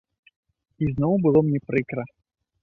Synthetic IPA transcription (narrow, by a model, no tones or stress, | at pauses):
iznɔwbɨlˠɔmnʲɛpɾɨkɾɐ